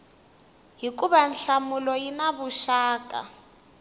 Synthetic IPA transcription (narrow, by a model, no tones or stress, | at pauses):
ɦikuβanɬamulɔjinaβuʃaːka̰